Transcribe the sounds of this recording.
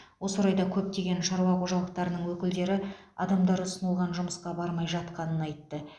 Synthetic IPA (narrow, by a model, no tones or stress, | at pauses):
wo̞səɾɑjd̪ɑkʲʰɵp̚t̪e̞ɡʲe̞nʃɑɾuɑqʰo̞ʒɑlˠəq̚t̪ɑɾənəɴwɵkʲɪld̪e̞ɾɪ | ɑ̰d̪ɑmd̪ɑɾʊsənəlˠʁɑnʒʊməsqɑbɑɾmɑjʒɑt̪̚qɑnənɑjt̪ːə